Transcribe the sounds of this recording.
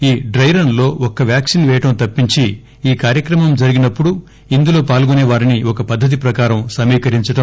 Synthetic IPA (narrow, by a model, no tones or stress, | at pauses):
iːɖɾɐjɾɐnlo̞ːɔkːɐʋjaːksinʋɛːjɐʈɐmt̪ɐpːiɲt͡ʃi | iːkaːɾjɐkɾɐmɐmd͡ʒɐɾiɡinɐpːuɽu | ind̪ulo̞ːpaːlɡuneːʋaːɾiniɔkɐpɐd̪ʱːɐt̪̬ipɾɐkaːɾɐmsɐmiːkɐɾiɲt͡ʃɐʈɐm